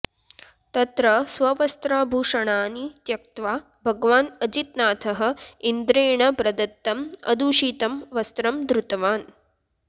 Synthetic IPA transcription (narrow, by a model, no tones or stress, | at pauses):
t̪ɐt̪ɾɐsʋɐʋɐst̪ɾaːbʱuːʂɐɳaːnit̪jɐk̚t̪ʋaː | bʱɐɡʋaːnɐd͡ʒit̪̚naːt̪ʰɐɦɐ̆ind̪ɾeːɳɐpɾɐd̪ɐt̪ːɐmɐ̰d̪uːʂiːt̪ɐmʋɐst̪ɾɐmd̪ɾut̪ɐʋaːn